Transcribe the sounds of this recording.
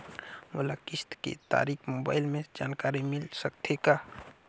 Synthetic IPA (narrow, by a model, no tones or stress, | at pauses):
mʊlakɪst̪kḛt̪a̰ːɾiːkʰmoːba̰ːɪlmẽd͡ʒaːnkaːɾimɪlsək̚t̪ʰeka